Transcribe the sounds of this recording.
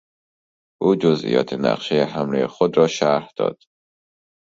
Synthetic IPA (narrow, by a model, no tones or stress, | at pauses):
ʔuːd͡ʒozʔḭjɒ̰ːt̪ʰenæ̰qʃejeɦæmlejexod̪ɾɒːʃæɾhd̪̥ɒ̰ːd̪̥